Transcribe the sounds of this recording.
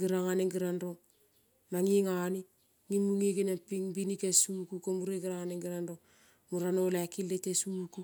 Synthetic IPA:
ɡiɾaŋaneŋɡiɾanɾoŋ | naŋiŋani | ŋimuŋiɡinepiŋbinikesukukomuɾeɡiɾaŋaneŋɡiɾanɾoŋ | muɾanolakilːetesuku

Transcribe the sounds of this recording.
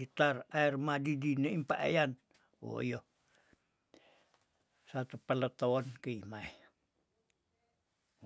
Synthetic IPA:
it̪araermadidineimpaʔa̰jan | wo̰jo | sat̪upalət̪oonkiːmai

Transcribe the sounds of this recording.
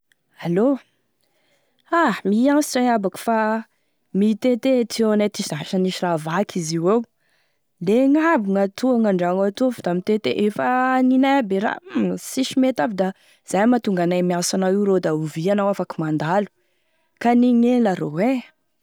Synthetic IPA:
alo | amiansi̥ʈ͡ʂaŋabaku̥fa | mit̪et̪et̪ʰienajt̪iz̥aʃaniʃiravakʰiziwew | leŋabuŋat̪uaŋaɳɖ͡ʐaŋat̪ufd̪amit̪et̪eʔefaninabeɾa̰siʃimet̪avid̪a | z̥ajmat̪uŋɡanajmiasanaiɾod̪auvianawafakimand̪alu̥ | kaniŋenlaɾowe

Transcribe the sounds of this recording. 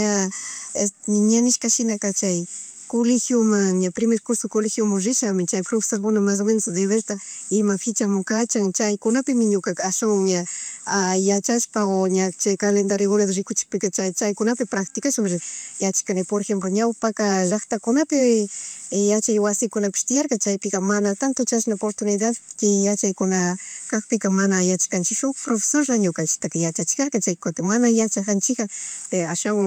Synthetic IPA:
aeɲanɪʃkaʃɪnakat͡ʃaj | kolɪxjomaŋɲapɾɪmeɾkʊɾsokolɪxjomaŋɾɪʃamɪt͡ʃajpɾofe̥salkʊnamas̬mensod̪eβeɾt̪aɪmakʰɪt͡ʃamʊkat͡ʃaŋt͡ʃajkʊnapɪmɪɲʊkakaːʃaŋɲaajat͡ʃaʃpaoɲat͡ʃajkalend̪aɾɪɣoɾad̪oɾɪkʊt͡ʃɪ̥k̚pɪkat͡ʃajt͡ʃajkʊnapɪpɾakt̪ɪkaʃamɾɪjat͡ʃḁkanɪpoɾexemploɲawpakaɾakt̪akʊnapɪ | jat͡ʃajwasɪkʊnapɪ̥ʃt̪ɪjaɾkat͡ʃajpɪkamanat̪ant̪ʊt͡ʃasnaopoɾt̪ʊnɪd̪ad̪kɪjat͡ʃajkʊnakakpɪkamanajat͡ʃḁkant͡ʃɪkʃʊkpɾofe̥soɾɾaɲʊkant͡ʃɪ̥t̪akɪjat͡ʃat͡ʃɪ̥kaɾkat͡ʃajkot̪ɪmanajat͡ʃakant͡ʃɪkat̪aʃwaŋ

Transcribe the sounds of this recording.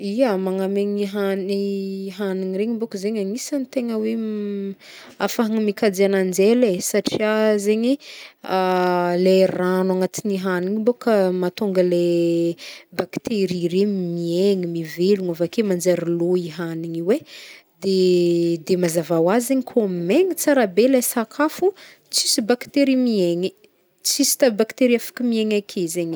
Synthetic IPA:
iamaŋameɲiɦaniɦaniŋiɾeɲimbokəzeɲaŋisanit̪eŋəwe | afaɦaŋimikad͡zianand͡zelesaʈ͡ʂiazeɲialeranaŋat͡s̪iniɦaniŋimbokamat̪oŋɡəle | bakt̪eɾiremieŋimiveluŋavakemand͡zaɾiloiɦaniɲiwe | d̪ed̪emazavawazizeɲikʰomeŋit͡saɾabelesakʰafu | t͡sisibakt̪eɾimieŋi | t͡sisi̥t̪abakt̪eɾiafḁkəmieŋakʰezeɲi

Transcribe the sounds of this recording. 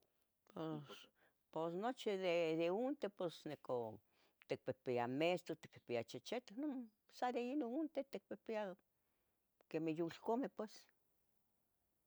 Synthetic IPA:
pos | posnot͡ʃiðed̪eunt̪eposneko | t̪ek̚pepeamest̪ot̪i̥k̚pe̥piat͡ʃet͡ʃet̪ano | saɾeinount̪et̪ek̚pepia | kemejulkomepwes

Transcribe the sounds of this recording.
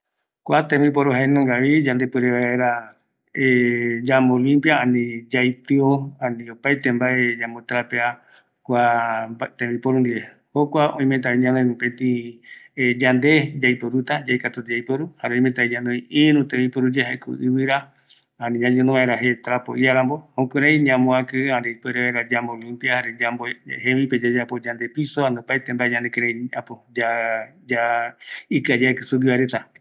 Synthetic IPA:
kʷat̪ẽmipoɾuɦaenõŋɡaβid͡ʒand̪epɨɾeβaeɾa | ed͡ʒamolĩmpjaãnĩd͡ʒajt̪ɨoãnĩopajt̪embaʔed͡ʒambot̪aɾapea | kʷa | t̪ẽmipoɾũnd̪ie | hokʷaʔõĩment̪̬aiɲãnõjmũpẽt̪ĩ | d͡ʒand̪e̞d͡ʒajpoɾut̪ad͡ʒajkat̪ot̪d͡ʒajpoɾuhaɾeõj̃ment̪aeɲãnõj̃iɾũt̪ejpoɾud͡ʒeɦaekṵʔɨβɨɾa | anĩɲãɲẽnõβaeɾaɦet̪ɾapo̰ʔjaɾambohõkɨɾãĩɲãmõakɨaɾepeɾeβaɾad͡ʒambolimpiahaɾed͡ʒamboɦeβĩped͡ʒad͡ʒapod͡ʒand̪episoanõpajt̪embaeɲãnd̪ekeɾãĩapod͡ʒad͡ʒa | ikɨad͡ʒaekɨsuɡiβaɾet̪a

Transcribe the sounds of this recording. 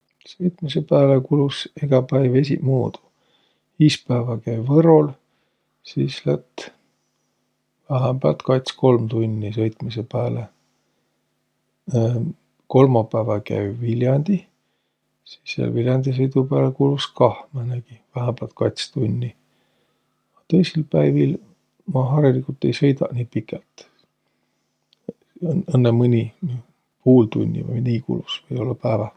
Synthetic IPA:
sɤjt̪misepæːlekuluseɡ̥ɑpæjve̞sʲḭmuːd̪̥u̥ | iːspæːvɑkæjvɤɾol | siːslæt̪ː | væɦæmbælt̪kɑjt̪sko̞lmt̪unʲːisɤjt̪misepæːle | ko̞lmɑpæːvɑkæ̰jvilʲjɑnʲd̪̥i | si̥sːiɑ̰lvilʲjɑnd̪̥is̬ɤjd̪upæːlekulvuskɑhmɑnæɡ̥ivæɦæmb̥ɑlt̪̚kɑt̪ʲst̪unʲːi | ɑt̪ɤ̞jsilpæjvil | mɑɦɑɾilikult̪ːˑe̞jsɤ̞jd̪ɑ̰ʔnʲiːpikːˑɛlt̪ | ɤnːemɯnʲini | puːlt̪ṵnʲːḭvɑ̰jniːkṵlvusvɤjo̞lːɑpæːvɑ

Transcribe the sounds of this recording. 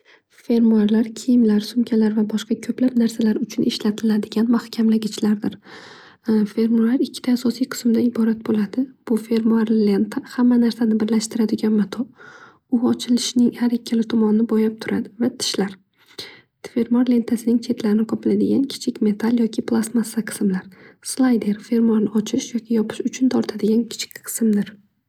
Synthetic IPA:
fe̞ɾmuaɾlaɾkʲʰijɪmlaɾsʊmkʲʰalaɾvabɒʃqɑkʲʰɵplapnaɾsalaɾʊt͡ʃʰʊnʔɪʃlat̪ʰɪlad̪ɪɡʲanmahkʲʰamlaɡʲɪt͡ʃʰlaɾd̪ɪɾ | fe̞ɾmoɾlaɾɪkʲʰːɪ̥t̪ʰaːsɒsijqʰɨ̥smd̪aɪbɒɾat̪̚bolad̪ɪb̥ʊfe̞ɾmuaɾlent̪ʰahamːanaɾsanɪbɪɾlaʃt̪ɪɾad̪ɪɡʲanmat̪ʰo | ʊɒt͡ʃʰɪlɪʃnɪŋhaɾikʲʰːalɪt̪ʰɒmɒnnɪbojap̚t̪ʰʊɾad̪ɪvat̪ʰɪ̥ʃlaɾ | t̪fe̞ɾmaɾle̞nt̪ʰasɪnɪŋt͡ʃʰe̞t̪ʰlaɾɪnɪqʰɒpʰɪlad̪ɪɡʲankʲʰɪ̥t͡ʃʰɪkʲme̞t̪ʰalˠjɒkʲʰɪpʰlˠasmasaqʰɨ̥smlaɾslˠajd̪e̞ɾfe̞ɾmuaɾnɪɒt͡ʃʰɪʃjɒkʲʰɪjɒpʰɪ̥ʃʊt͡ʃʰʊnt̪ʰɒɾt̪ʰad̪ɪɡʲankʲʰɪ̥t͡ʃʰɪ̥kʲqʰɨ̥smd̪ɪɾ

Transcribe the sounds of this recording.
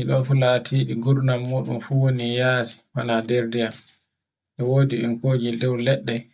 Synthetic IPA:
iɗɔfulaːtʰiːɗiɡuɾnamːoɗṵmfuwonijaːsi̥wanadɛɾdijam | ʔɛwoːdiɓɛ̰nkoːd͡ʒidɛwlɛɗːɛ

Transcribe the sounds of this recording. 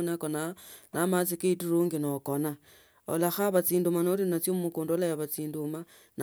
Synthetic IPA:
nakonanamat͡sikeituɾuŋɡinokona | o̰laxaβat͡siːndumanolinat͡sjoumukuːndolajaβat͡siːnduma | n

